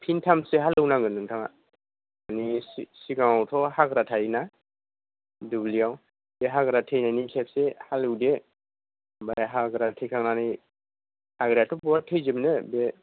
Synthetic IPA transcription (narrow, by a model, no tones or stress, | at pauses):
pʰintʰamseɦalɯwnaɡɯnɯŋtʰaŋa | anisiɡaŋawtʰɔhaɡɾatʰajna | dublijaw | beɦaɡɾatʰejnanikʰep̚sehalɯwde | bajaɦaɡɾatʰejkʰaŋnanɯj | aɡɾijatʰɔbɔatʰejzɯmnɯbe